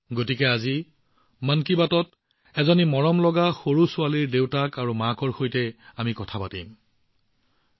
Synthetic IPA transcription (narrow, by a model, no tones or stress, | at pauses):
ɡotikɛazi | mankibatɔt | ɛzɔnimɔɹɔmlɔɡaxoɹusʊaliɹdewtakaɹumakɔɹxojtɛamikɔtʰapatim